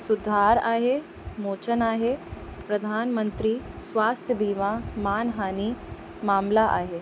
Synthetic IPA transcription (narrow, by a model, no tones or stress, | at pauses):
sʊd̪ʱaːɾa̰ːɦe | moːt͡ʃənaːɦepɾɐd̪ʱaːnmə̃nt̪ɾisʋaːst̪ʰjəbiːmamaːnɦaːni | maːmlaʔa̰ːɦeː